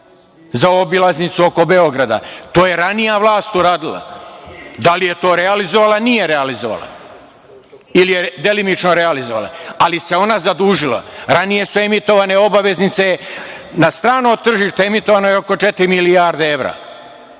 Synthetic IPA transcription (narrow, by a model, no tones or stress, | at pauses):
zaobilˠaznit̪suo̞ko̞be̞o̞ɡɾad̪a̰t̪o̞ːje̞ɾanijaʋlˠaːst̪uɾaːd̪ilˠa̰ | d̪alije̞t̪o̞ːɾealizo̞ʋalˠanije̞ɾealizoʋa̰lˠa̰ | ilije̞d̪e̞limit͡ʃno̞ɾe̞alizoʋa̰lˠa̰alise̞o̞nazad̪uːʒila̰ɾanije̞sue̞mit̪o̞ʋane̞o̞baʋe̞znit̪sejnast̪ɾaːno̞t̪ːr̩ʒiʃt̪eemit̪o̞ʋano̞jeo̞ko̞t͡ʃe̞t̪ɾimilijaɾd̪eeʋɾa̰ː